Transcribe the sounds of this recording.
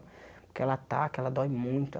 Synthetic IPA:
poɾkeɛlɐat̪akɛlɐd̪ɔjmũj̃t̪ʊ

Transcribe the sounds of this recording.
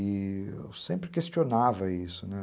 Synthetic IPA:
ɪ̰sẽmpɾɪkest͡ʃionavɐisʊnɛ

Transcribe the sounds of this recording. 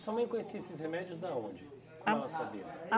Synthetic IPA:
sɔmẽj̃kõɲesiesɪshemɛd͡ʒiʊzd̪aõ̰d͡ʒɪ | kɛlɐsabḭɐa

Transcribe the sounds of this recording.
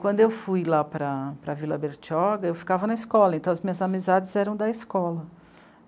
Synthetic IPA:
kwɐ̃nd̪ʊewfujlapɾɐpɾɐvilɐbeɾt͡ʃɔɡɐewfi̥kavɐnɐɪskɔlɐẽnt̪ɐ̃w̃ɐzmĩɲɐzamizad͡ʒɪzɛɾɐ̃w̃d̪ɐiskɔlɐ

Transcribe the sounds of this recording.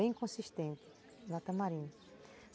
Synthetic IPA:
ẽj̃kõsiʃt̪ẽnt̪ɪ̥ | nat̪ɐmaɾĩɲ

